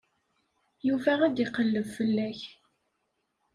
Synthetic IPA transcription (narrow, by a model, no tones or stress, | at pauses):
juvææd̪iqːəlːəvfəlːæç